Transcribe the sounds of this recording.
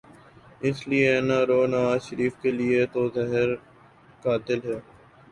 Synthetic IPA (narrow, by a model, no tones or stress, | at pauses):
ɪslienaɾoːnɐʋaːzʃəɾiːfkeliet̪ozɛɦɛɾ | kaːt̪ɪlɦɛː